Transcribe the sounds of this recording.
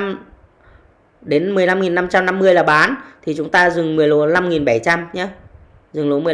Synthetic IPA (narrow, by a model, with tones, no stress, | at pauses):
ɗe˨˦nmɨ˨˩əjla˧mŋi˨˩nːa˧mt͡ɕa˧mna˧mːɨ˧əjlaː˨˩ɓaː˨˦nt̪ʰi˨˩t͡ɕʊ˨˦ŋ͡mt̪aː˧zɨ˨˩ŋmɨ˨˩əjlo˨˦la˧mŋi˨˩nɓa˧˩jt͡ɕa˧mɲa˨˧˦ | zɨ˨˩ŋlo˨˦mɨ˨˩ə˩